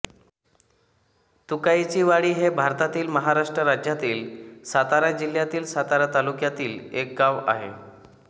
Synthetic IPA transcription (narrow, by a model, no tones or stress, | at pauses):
t̪ukajt͡ɕiːʋaɽiːɦebʱaɾt̪at̪iːlməɦaɾaʂʈɾəɾad͡ʑjat̪iːlsat̪aɾad͡ʑil̤jat̪iːlsat̪aɾat̪alukjat̪iːlek̚ɡaʋa̰ɦḛ